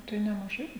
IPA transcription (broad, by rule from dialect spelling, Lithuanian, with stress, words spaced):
ˈtɐɪ nʲɛmɐˈʒɐɪ